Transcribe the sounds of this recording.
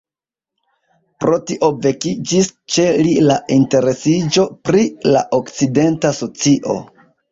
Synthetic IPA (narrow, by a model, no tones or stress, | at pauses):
pɾo̞tiʔo̞ve̞kid͡ʒist͡ʃe̞lilaʔinte̞ɾe̞sid͡ʒo̞pɾila̰ʔokt͡side̞ntaso̞t͡siʔo̞̰